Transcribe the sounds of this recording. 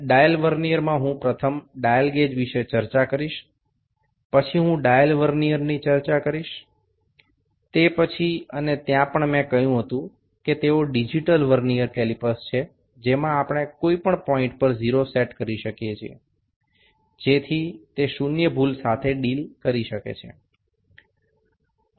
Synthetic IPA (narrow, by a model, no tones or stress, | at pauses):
ɖajəlʋəɾnijəɾmãɦũpɾət̪ʰəmɖajəlɡed͡ʒʋiʃet͡ʃəɾt͡ʃakəɾiʃ | pət͡ʃʰiɦũɖajəlʋəɾnijəɾnit͡ʃəɾt͡ʃakəɾiʃ | t̪epət͡ʃʰiənet̪jãpəɳmɛ̃kəjũɦət̪ũ | ket̪eoɖid͡ʒiʈəlʋəɾnijəɾkɛlipəst͡ʃʰe | d͡ʒemãapɳ̃ekoipəɳpɔĩɳʈ̚pəɾziɾoseʈkəɾiʃəkijet͡ʃʰiḛ | d͡ʒet̪ʰit̪eʃunjəbʱulsat̪ʰeɖilkəɾiʃəkḛt͡ʃʰḛ